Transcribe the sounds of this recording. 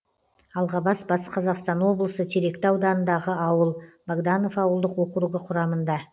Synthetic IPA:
ɑlˠʁɑbɑsbɑsqʰɑzɑqst̪ɑnwo̞blˠəsət̪ʰeɾe̞kt̪ɪɑwd̪ɑnənd̪ɑʁəɑwəlˠbaɡd̪ano̞fɑwəlˠd̪əqwo̞qɾuɡəqʰʊɾɑmənd̪ɑ

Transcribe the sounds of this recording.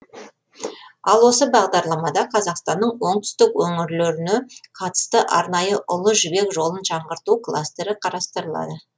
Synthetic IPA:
ɑlˠwo̞səbɑʁd̪ɑɾlˠɑmɑd̪ɑqʰɑzɑqst̪ɑnːəɴwo̞ɴt̪ʰʏ̥st̪ɪkwɵŋɪɾleɾɪneqʰɑt̪ə̥st̪əʔɑɾnɑjəʔʊlˠəʒʏbe̞kʒo̞lˠənʃɑɴʁəɾt̪uklˠa̰st̪e̞ɾɪqʰɑɾɑst̪əɾəlˠɑ̰d̪ə

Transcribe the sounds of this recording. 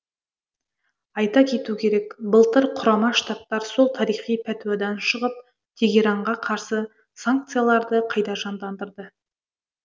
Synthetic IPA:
ɑjt̪ɑkʲʰe̞t̪ukʲʰe̞ɾe̞kbəlˠt̪əɾqʰʊɾɑmɑʃt̪ap̚t̪ːɑɾsolˠt̪ʰɑɾijχijpʰæt̪wad̪ɑnʃəʁəp̚ | t̪ʲʰeɡʲeɾɑɴʁɑqʰɑɾsə | saŋk̚t̪sɨjalˠɑɾd̪əqʰɑjd̪ɑʒɑnd̪ɑnd̪əɾd̪ə

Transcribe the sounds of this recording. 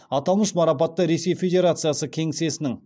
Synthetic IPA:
ɑt̪ɑlˠməʃmɑɾɑp̬ɑt̪ːəɾe̞se̞jfʲe̞d̪ʲe̞ɾat̪sɨjasəkʲʰe̞ŋse̞sɪnɪŋ

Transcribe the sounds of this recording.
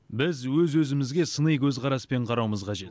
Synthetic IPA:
bɪzwɵzwɵzɪmɪzɡʲe̞sənəjkʲʰɵzqʰɑɾɑspe̞ɴqʰɑɾɑwməzqʰɑʒe̞t̪

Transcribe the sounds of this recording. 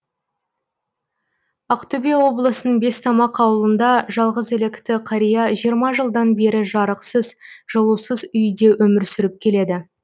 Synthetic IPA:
ɑqt̪obijɑwo̞blˠəsənəɴbe̞st̪ʰɑmɑqʰɑwəlˠənd̪ɑʒɑlˠʁəzele̞kt̪ɪqʰɑɾijɑʒijəɾmɑʒəlˠd̪ɑnbe̞ɾɪʒɑɾəqsəzʒ̥əlˠuwsəzʏjd̪e̞ʔɵmɪɾsʏɾɪp̚kʲʰe̞le̞d̪ɪ

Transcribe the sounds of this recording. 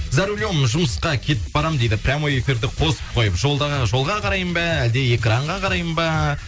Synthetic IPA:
zɑɾulʲjomʒʊməsqɑkʲʰe̞t̪ɪ̥p̚bɑɾɑmd̪e̞jd̪ɪpʰɾʲamojefiɾd̪ɪqʰo̞səp̚qʰo̞jəpʒo̞lˠd̪ɑʁʒo̞lˠʁɑqʰɑɾɑjəmbɑæld̪e̞e̞kraɴʁɑqʰɑɾɑjəmbɑ

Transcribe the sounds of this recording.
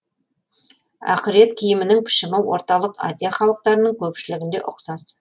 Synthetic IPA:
æ̰qɪɾe̞t̪kʲʰijɪmɪnɪŋpʰɪ̥ʃɪmɪwo̞ɾt̪ɑlˠəqa̰zʲijaχɑlˠəq̚t̪ɑɾənəɴkʲʰɵpʃɪlɪɡʲɪnd̪e̞̰ʔʊqsɑz

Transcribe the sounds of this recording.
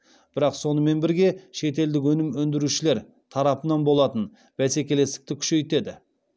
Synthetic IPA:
b̥ɪɾɑqso̞nəme̞nbɪɾɡʲe̞ʃe̞t̪e̞ld̪ɪk̬wɵnɪmɵnd̪ɪɾuʃɪle̞ɾ | t̪ʰɑɾɑpənɑnbo̞lˠɑt̪ən | b̥æse̞kʲe̞le̞st̪ɪ̥k̚t̪ɪkʲʰʏ̥ʃe̞jt̪e̞d̪ɪ

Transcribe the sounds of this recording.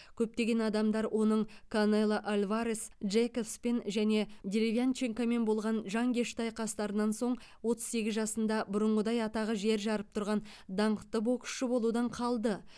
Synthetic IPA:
kʲʰɵp̚t̪e̞ɡʲe̞nɑd̪ɑmd̪ɑɾwʔo̞nəɴkʰonelˠaʔalʲvaɾesʒekofspenʒæne̞d̪ʲeɾʲevʲiant͡ʃeŋkame̞nbo̞lˠʁɑnʒɑŋkʲʰeʃt̪ɑjqʰɑst̪ɑɾənɑnso̞ɴ | wo̞t̪əz̥se̞ɡʲɪzʒɑsənd̪ɑbʊɾəɴʁəd̪ɑjɑt̪ɑʁəʒe̞ɾʒɑɾəp̚t̪ʰʊɾʁɑn | d̪ɑɴət̪ːəbokʲʰʏ̥ʃɪbo̞lˠud̪ɑɴqʰɑlˠd̪ə

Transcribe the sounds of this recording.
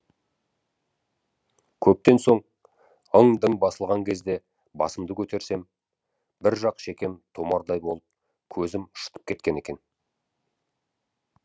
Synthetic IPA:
kʲʰɵp̚t̪e̞nso̞ɴ | əŋd̪əŋbɑsəlˠʁɑŋkʲʰe̞zd̪e̞ | bɑ̰səmd̪əkʲʰɵt̪e̞ɾse̞m | bɪɾʒɑqʃe̞kʲe̞mt̪ʰo̞mɑɾd̪ɑjbo̞lˠəp̚ | kʲʰɵzɪmʊ̥ʃə̥t̪ə̥p̚kʲʰe̞t̪̚kʲe̞ne̞kʲe̞n

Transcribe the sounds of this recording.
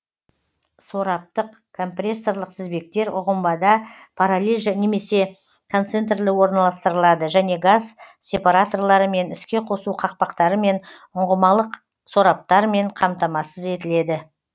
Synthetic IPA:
so̞ɾɑp̚t̪əq | kʰo̞mprʲe̞sːo̞ɾlˠəqsɪzbe̞k̚t̪e̞ɾʊ̰ʁəmbɑd̪ɑ | pʰaɾalʲelʲʒne̞me̞se̞ | kʰo̞nt̪se̞nt̪rlɪwo̞ɾnɑlˠɑst̪əɾəlˠɑd̪əʒæne̞ɡaz | sʲe̞paɾat̪o̞rlˠɑɾəme̞nɪskʲe̞qʰo̞suqʰɑq̚pɑqt̪ɑɾəme̞n | ʊɴʁəmɑlˠəq | so̞ɾɑp̚t̪ɑɾme̞ɴqʰɑmt̪ɑmɑsəze̞t̪ɪle̞d̪ɪ

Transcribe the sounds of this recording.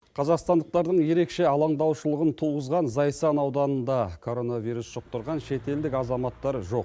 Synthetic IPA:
qʰɑzɑqst̪ɑnd̪əq̚t̪ɑɾd̪əɴje̞ɾe̞kʃe̞ɑlˠɑɴd̪ɑwʃəlˠəʁənt̪ʰuʁəzʁɑnzɑjsɑnɑwd̪ɑnənd̪ɑkʰo̞ɾo̞navijɾusʃəq̚t̪əɾʁɑnʃe̞t̪e̞ld̪ɪkɑzɑmɑt̪ːɑɾʒo̞q

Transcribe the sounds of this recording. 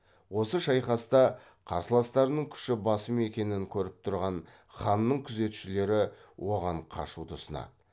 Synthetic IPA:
wo̞səʃɑjχɑst̪ɑ | qʰɑ̰ɾsəlˠɑst̪ɑɾnəɴkʲʰʏ̥ʃɪbɑsəme̞kʲe̞nɪŋkʲʰɵɾɪp̚t̪ʰʊɾʁɑn | χɑnːəɴkʲʰʏze̞t̪ʃɪle̞ɾɪwo̞ʁɑɴqʰɑ̰ʃud̪əsənɑ̰d̪ə

